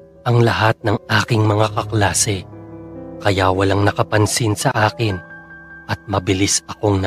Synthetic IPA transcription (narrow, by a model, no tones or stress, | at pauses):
ʔɐŋlɐhat̪̚nɐŋaːkɪŋmɐŋakɐklaːsɛ | kɐjawɐlaŋnɐkɐpɐnsinsɐʔaːkɪnʔɐt̪̚mɐbɪlisɐko̞ŋn